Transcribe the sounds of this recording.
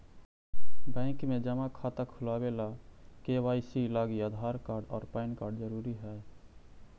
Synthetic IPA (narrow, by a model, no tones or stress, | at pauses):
bɛ̃ːkmẽd͡ʒəmakʰat̪əkʰʊlaːbelakewaːisilaːɡiad̪ʱaːɾkaːɾɖɔːɾpaɪnkaːɾɖd͡ʒəɾuːɾiɦɛː